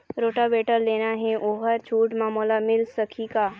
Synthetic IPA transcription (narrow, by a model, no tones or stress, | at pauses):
ɾoːʈabeːʈəɾleːnaɦɛʔoːɦəɾt͡ʃʰuːʈmaːmoːlamɪlsɐkʰikaː